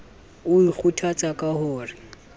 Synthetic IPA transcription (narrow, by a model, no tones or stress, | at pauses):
ʊik͡xutʰat͡sʼakʼahʊːrɪ